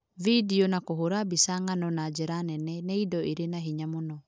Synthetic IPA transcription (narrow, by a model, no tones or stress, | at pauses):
vidionakoɦoɾabisaŋanɔnad͡ʒɛɾanɛnɛneidɔʔiɾenaɦiɲamonɔ